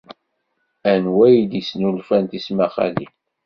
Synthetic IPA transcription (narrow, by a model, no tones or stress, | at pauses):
ænwæjd̪isnulfænt̪ismæχæ̰lḭ